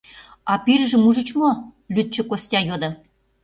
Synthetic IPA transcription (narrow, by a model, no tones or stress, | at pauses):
ɑpiɾʒə̆muʒə̆t͡ɕmo | lyt̪̚t͡ɕə̆kosʲtʲɑjod̪ɤ̆